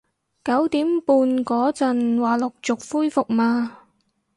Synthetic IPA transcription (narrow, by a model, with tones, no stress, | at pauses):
kɐ˨˥wt̪iː˨˥mpuː˨˧nkɔː˨˥t͡sɐ˨nwaː˨˩lʊ˨k̚t͡sʊ˨k̚fuː˥jfʊ˨k̚maː˧